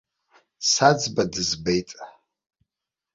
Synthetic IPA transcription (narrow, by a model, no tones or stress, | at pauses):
sad͡zbadɨzbejtʼ